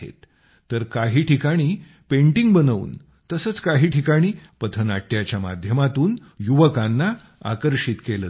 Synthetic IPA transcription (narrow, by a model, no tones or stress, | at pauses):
ḛt̪ː | əɾkaɦiːʈʰikaɽ̃iː | peɳʈiŋɡbənəʋṵːn | t̪əsəːt͡skaɦiːʈʰikaɽ̃iːpət̪ʰənaʈjat͡ɕjama̰d̪ʱjəmat̪uːnjuʋəkãnːa | a̰kəɾɕit̪kelə